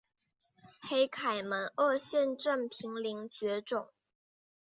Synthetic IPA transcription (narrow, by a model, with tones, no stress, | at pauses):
xe˧˥ɪkʰa˨˩ɪmə˧˦˥nʔɤ˥˧ɕjɛ˥˧nʈ͡ʂə˥˩npʰi˧˥ŋli˧˥ŋt͡ɕɥɛ˧˥ʈ͡ʂʊ˨˩˦ŋ